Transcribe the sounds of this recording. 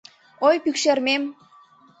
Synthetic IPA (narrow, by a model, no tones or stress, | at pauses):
ojpykʃermem